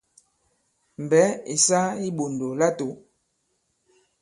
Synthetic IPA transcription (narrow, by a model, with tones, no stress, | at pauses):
m˨bɛ˨˦i˨sa˦i˦ɓo˨ndo˨la˦to˨˦